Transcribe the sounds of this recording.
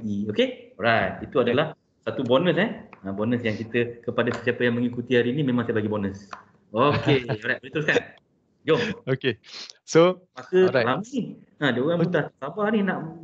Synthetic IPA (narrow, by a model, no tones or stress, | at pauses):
ɡiokeɔɾajt̪̚it̪uadalah | sat̪ubɔnə̃sɛə̃bɔnəsjaŋkit̪əkəpadasəsiapəjaŋməŋikut̪ihaɾinimẽmãŋsajbaɡibɔnəs | okeɔɾajt̚bəɾit̪əɾuskan | ɡookesopakəlamin | ãdaoɣambuut̪ahnasabahninaʔ